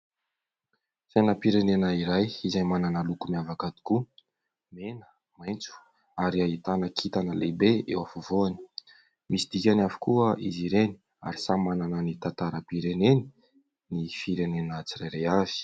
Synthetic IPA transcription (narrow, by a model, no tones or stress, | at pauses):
sajnapiɾenenaiɾajizajmananalukumiavakad̪i̥ku | menə̥ | majnt͡su̥ | aɾiait̪anəkʰit̪anəlebeḛwafovoani̥ | misid̪̥ikʲanavi̥kuəiziɾeni̥ | a̰ɾisamananənit̪at̪aɾəpiɾeneni̥ | nifiɾenenat͡sirajɾejav̥i̥